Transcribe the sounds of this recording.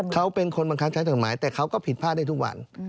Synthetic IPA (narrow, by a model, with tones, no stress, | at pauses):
kʰa˦˥wpe˧nkʰo˧nba˧ŋkʰa˦˥kt͡ɕʰa˦˥jt͡ɕo˨˩t̪̚maː˩˦jt̪ɛː˨˩kʰa˦˥wkɔː˥˩pʰi˨˩t̪̚pʰaː˥˩daː˥˩t̪ʰu˥k̚wa̰˧n